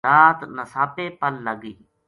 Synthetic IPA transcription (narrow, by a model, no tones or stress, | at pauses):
aːt̪nəsaːpeːpəlːəɡiː